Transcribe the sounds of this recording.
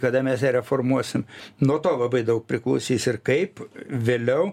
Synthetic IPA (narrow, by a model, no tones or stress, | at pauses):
kɐd̪ɐmʲɛsnʲɛɾʲɛfoːrmuɔsʲɪmnuɔt̪oːlˠɐbɐɪd̪ɐʊk̚pʲɾʲɪklˠɐʊsʲiːsɪrkɐɪpʋʲeːlʲɛʊ